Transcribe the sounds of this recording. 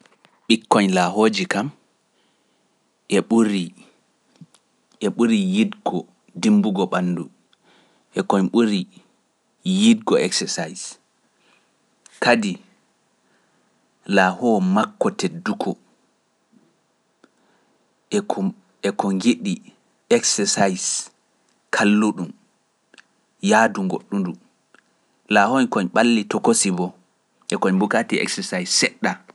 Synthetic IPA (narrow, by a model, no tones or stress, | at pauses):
ɓikːɔɲlaɦoːd͡ʒikam | ʔɛɓuɾi | ʔɛɓuɾijidɡɔ | dimbuɡɔɓanːdu | ʔɛkɔɲɓuɾi | jidɡɔɛksɛsajs | kadi | laːhɔmakːɔtedːukʰɔ | ɛkɔŋɡiɗi | ɛksɛsajs | kʰalːuɗum | jaːduŋɡo̰ɗːundu | lahɔnkɔɲɓalːitɔkosibɔ | ʔɛkɔɲmbukatiɛ̰ksɛsajsːɛɗːa